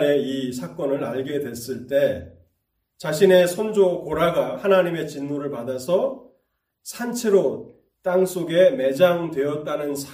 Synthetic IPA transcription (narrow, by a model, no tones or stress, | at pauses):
ɾe̞isʰak͈ʌnɯɾaɭɡe̞dwe̞s͈ɯɭt͈e̞ | t͡ɕaɕʰine̞sʰʌnd͡ʑokoɾaɡahanaɲime̞t͡ɕinːuɾɯɭpadasʰʌ | sʰant͡ɕʰeɾo | t͈aŋs͈ʰoɡe̞me̞d͡ʑaŋdwe̞jʌt̚t͈anɯnsʰ